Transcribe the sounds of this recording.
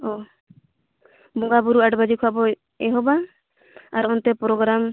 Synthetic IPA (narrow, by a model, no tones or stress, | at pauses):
ɔ | bɔŋɡabuɾuaʈbad͡ʒikʰɔabɔ | ɛɦɔba | aɾɔnt̪ɛpɾɔɡɾam